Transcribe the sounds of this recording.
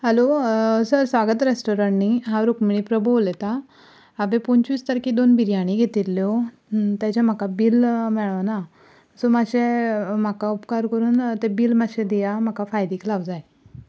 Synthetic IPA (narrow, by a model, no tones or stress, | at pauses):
ɦəlosəɾsʋaɡət̪ɾesʈoɾəɳniɦaɾukmiɭipɾəbolet̪aː | bepunt͡ɕʋist̪əɾkid̪onbiɾjaɽ̃iɡʱet̪ilːjɔ | t̪jat͡ɕam̤akabiːlmɛɭana | əsomaɕem̤akaupkaɾkəɾuːnt̪ebiːlmaɕed̪ijam̤akafajd̪iːklaʋd͡zaj